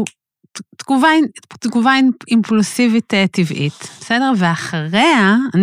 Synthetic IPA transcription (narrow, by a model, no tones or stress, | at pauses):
tɡuvatɡuvainimplusivitetivʔḭtb̥esedeʁveaχʁeaan